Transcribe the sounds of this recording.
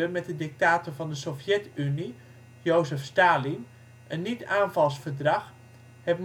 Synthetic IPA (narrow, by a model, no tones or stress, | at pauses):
əmɛt̚dədɪk̚taːtəɹvɑndəsofjɛtyni | jowzəfstaːlim | ʔənːitaːnvɑlˠsfərdrɑx | hɛpm